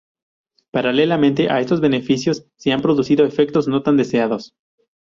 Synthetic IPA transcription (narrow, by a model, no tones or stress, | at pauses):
paɾalelamẽnt̪e̞ʔa̰e̞st̪o̞zβe̞ne̞fisjo̞sːeampɾo̞ðusiðo̞e̞fe̞k̚t̪o̞zno̞t̪and̪e̞se̞aðo̞s